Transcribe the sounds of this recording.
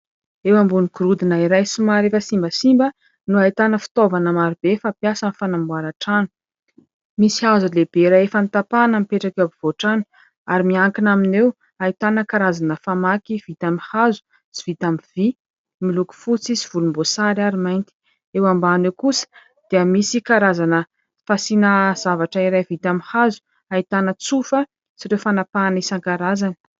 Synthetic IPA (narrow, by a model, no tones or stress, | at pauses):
ewambuniɡuɾud̪inaiɾajsimaɾefəsimbəsimbə | nuait̪anəfi̥t̪ovanamaɾibefapjasənifanambuaɾaʈ͡ʂanu̥ | misiazuleb̥eɾaefəmit̪apanəmipeʈ͡ʂakabiv̥oʈ͡ʂanu̥ | aɾimiaŋkinaminew | ait̪anəkaɾazanəfamakiv̥it̪amihazu̥ | t͡si̥v̥it̪amiv̥i | miluku̥fut͡siziv̥ulumbosaɾaɾimajnt̪i̥ | ewambanewkusə̥ | d̪̥iəmisikaɾazanə | fasinəz̥avaʈ͡ʂəiɾajvit̪amihazu̥ | ait̪anət͡sufə | t͡siɾewfanapanisaŋkaɾazanə̥